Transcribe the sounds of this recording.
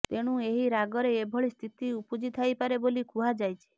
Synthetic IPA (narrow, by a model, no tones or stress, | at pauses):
t̪eɽ̃ũeɦiɾaɡɔɾeːbʱɔɭist̪ʰit̪iupud͡ʒit̪ʰajpaɾebolikʰuɦad͡ʒajt͡ʃʰi̥